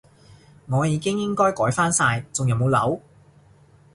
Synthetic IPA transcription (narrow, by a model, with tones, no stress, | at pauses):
ŋɔː˨˧jiː˨˧kɪ˥ŋjɪ˥ŋkɔː˥jkɔː˨˥jfaː˥nsaː˧jt͡sʊ˨ŋjɐ˨˧wmo˨˧wlɐ̰˨˥w